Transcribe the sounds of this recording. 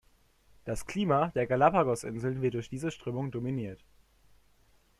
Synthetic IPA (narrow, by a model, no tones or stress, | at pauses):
d̥askl̥iːmadeːɐɡalapaɡɔsʔɪ̰nzl̩nvɪɐt̚dʊɐçd̥iːzəʃtʁ̥øːmʊŋdominiːɐt